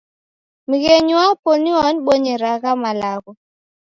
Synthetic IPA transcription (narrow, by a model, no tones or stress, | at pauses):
miɣeɲwaponiɔnɓoɲeɾaɣamalaɣɔ